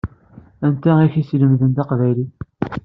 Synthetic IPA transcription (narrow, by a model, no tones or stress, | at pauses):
ænt̪æiçisləmðənt̪ɑqvæjli